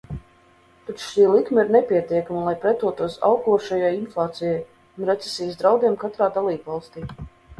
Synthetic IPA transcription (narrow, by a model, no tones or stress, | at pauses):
t̪at͡ʃʃiːlˠikmaiɾnepʲiɛt̪iɛkamalˠajpɾɛt̪uɔt̪uɔsa̰wkuɔʃajajinflˠɑːt̪sijaj | unɾɛt̪sɛ̥sijəsd̪ɾawd̪iɛmkat̪ɾaːd̪alˠiːbvalˠst̪iː